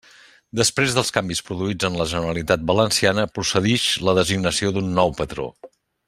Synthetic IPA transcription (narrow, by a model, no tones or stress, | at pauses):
d̪əspɾezðəlˠskambispɾuðuid͡zənləʒənəɾəlit̪at̪̚bələnsianəpɾusəðiʃləðəziɡnəsioðunːɔwpət̪ɾo̰